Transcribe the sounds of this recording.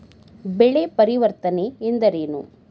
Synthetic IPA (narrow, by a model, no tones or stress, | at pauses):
beɭepɐɾiʋɐɾt̪ɐneːnd̪ɐɾeːnṵ